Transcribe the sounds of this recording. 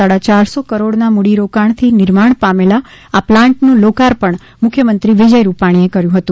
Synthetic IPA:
aɽat͡ʃaɾsokəɾoɽnamuɽiɾokaɳ̃t̪ʰinɪɾmaɳpamela | aplãɳʈnũlokaɾpəɳ | mʊkʰjəmənt̪ɾiʋid͡ʒəjɾupaɽ̃iekəɾjũɦət̪ũ

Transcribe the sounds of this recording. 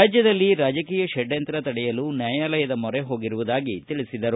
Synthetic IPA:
aːd͡ʒjɐd̪ɐlːiɾaːd͡ʒɐkiːjɐʃɛɖjɐnt̪ɾɐt̪ɐɽɛjɐlunjaːjaːlɐjɐd̪ɐmɔɾeɦo̞ːɡiɾuʋud̪aːɡit̪iɭisid̪ɐɾu

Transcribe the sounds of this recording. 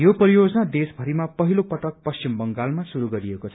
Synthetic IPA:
jopʌɾijod͡zʌnad̪esbʱʌɾimapʌɦilopʌʈʌk̚pʌst͡ʃimbʌŋɡalmasuɾuɡʌɾiekot͡sʰʌ

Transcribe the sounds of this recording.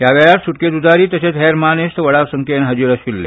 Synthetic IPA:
ɦjaʋɛɭat̪suʈ̚ked̪ud͡z̪aɾiːt̪əset͡sɦeɾmanest̪əʋəɽaʋsəŋkenɦɐd͡ʑiɾəɕilːḛ

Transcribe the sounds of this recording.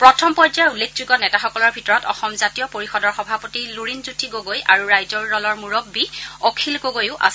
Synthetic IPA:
pɹɔtʰɔmpɔzaulːekʰzuɡɔnɛtaxɔkɔlɔɹbʱitɔɹɔtɔ̰xɔmzatijɔpoɹixɔdɔɹxɔbʱapɔtiluɹinzutʰiɡoɡojaɹuɹajzɔɹdɔlɔɹmuɹɔbːiɔkʰilɡoɡojʊʔa̰s

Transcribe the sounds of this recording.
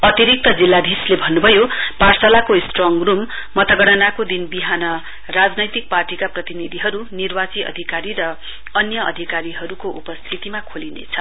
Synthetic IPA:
ʌt̪iɾik̚t̪ʌd͡zilːad̪ʱislebʱʌnːubʱʌjoparsalakosʈrʌŋrumː | ʌt̪ʌɡʌɽʌnakod̪inbiɦanʌ | rad͡znʌjt̪ik̚parʈikaprʌt̪inid̪ʱiɦʌɾunirbat͡siʌ̰d̪ʱikaɾiɾʌ | ʌnjʌʔʌ̰d̪ʱikaɾiɦʌɾukoʔupʌst̪ʰit̪imakʰolinḛt͡sʰʌ

